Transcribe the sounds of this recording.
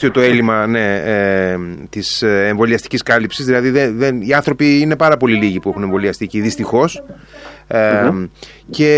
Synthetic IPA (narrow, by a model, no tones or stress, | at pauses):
iot̪o̞e̞limɐne̞ | t̪iseɱvo̞liɐst̪i̥ciskɐlipsizðilɐðiðeðeniɐnθɾo̞piine̞pɐɾɐpo̞liliʝipuexune̞ɱvo̞liɐst̪iciðist̪ixo̞s | ce̞